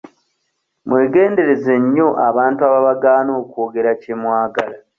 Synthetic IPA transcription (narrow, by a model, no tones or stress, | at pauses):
mwe̞ːɡe̞ːnde̞ɾe̞ze̞ɲːo̞ʔaβaːntuaβaβaɡaːno̞ːkoːɡe̞ɾacemwaːɡala